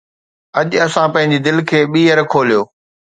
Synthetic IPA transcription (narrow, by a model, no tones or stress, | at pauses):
ɐʄɐsãpɐ̃ɦɪ̃ɲd͡ʑid̪ɪlkʰeːɓiːəɾkʰoːlijoː